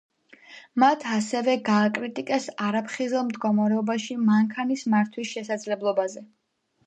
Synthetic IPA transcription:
mat̪ʰasɛvɛɡaːkʼɾit̪ʼikʼɛsaɾapʰχizɛlˠmd̪ɡɔmaɾɛɔbaʃimaŋkʰanismaɾt̪ʰwisʃɛsad̪zlɛblˠɔbazɛ

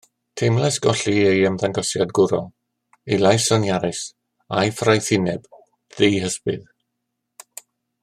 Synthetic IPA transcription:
tʰejmlˠɛsɡ̥ɔɬiejəmðaŋɡɔsjadɡʊɾɔ | ejlˠajsɔnjaɾɪs | ajfrajθɪnɛb̥ | ð̥ijɦəspɨ̰ð

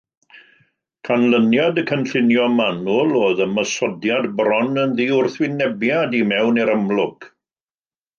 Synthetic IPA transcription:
kʰanlənjadəkʰənɬɪnjɔmanʊlˠoːðəməsɔdjadbɾɔnənðiːʊrθwɪnɛbjadimɛwnɛɾəmlˠʊk

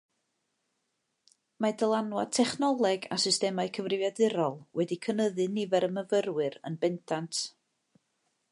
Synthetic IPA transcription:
madəlˠanwa̰tʰɛχnɔlˠɛɡa̰sɨstɛmaɨkʰəvrɪvjadɨɾɔlˠwɛdikʰənəðɨnɪvɛɾəməvərwɨɾə̰nbɛntʰantʰ

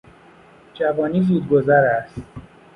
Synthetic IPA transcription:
d͡ʒævɒːniːzuːd̪ɡozæɾæst̪

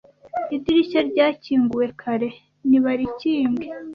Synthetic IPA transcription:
idiɾicaɾɟaːciːŋɡuwe̞kʰaɾe̞ | niβaɾiciːŋɡe

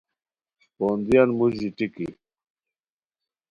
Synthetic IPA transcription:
spoːnd̪ijɐnmuziʈiki

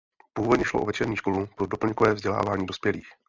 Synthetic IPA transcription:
puːvodɲɛʃloʔovɛt͡ʃɛɾɲiːʃko̞lupɾo̞do̞pl̩ɲkovɛːvzɟɛla̰ːvaːɲiːdo̞spjɛlḭːx

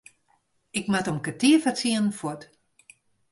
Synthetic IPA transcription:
ɪkmatəmkətiəfat͡siənn̩fɔt

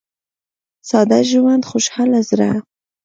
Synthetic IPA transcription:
sɑd̪aʒwand̪xʊʃhɑlazɾa̰

